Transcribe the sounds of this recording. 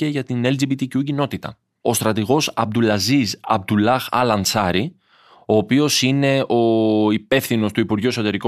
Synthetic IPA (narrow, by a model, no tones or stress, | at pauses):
eʝɐt̪ineld͡ʒibit̪icucino̞t̪it̪ɐ̰ | o̞st̪ɾɐt̪iɣo̞sɐb̚d̪ulɐzizɐ̰b̚d̪ulɐxɐ̰lɐnt͡sɐɾi | o̞ːpio̞sine̞o̞ipe̞fθino̞st̪uipuɾʝue̞so̞t̪e̞ɾiko